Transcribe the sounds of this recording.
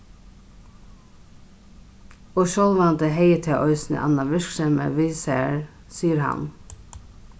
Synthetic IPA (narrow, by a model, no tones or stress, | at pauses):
oːʃɔlʋɑnd̪əheɪət̪ʰeːʔœʏsnə̰ʔɑ̰nɑʋɪɹkʃɛmə̰ʋisæɹ | siːəɾhɑ̰n